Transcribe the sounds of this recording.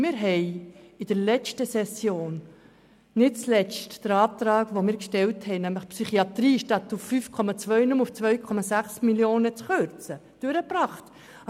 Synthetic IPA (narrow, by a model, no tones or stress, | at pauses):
mɪːɾɦɛɪɪd̥əɾlɛt͡stəsɛsjoːn | nɪtt͡slɛt͡std̥əɾɑːp̚t̪ɾɑːɡʋomɪːɾkʃtɛlthɛɪnæmləχpsyχiɑt̪ɾiːʃtɑt̪ːufːyːfkʰɔmɑt͡sʋœʏnumuft͡svœʏkʰɔmɑsæχsmiljoːnət͡sχøɾt͡səd̥øɾəpɾɑːχt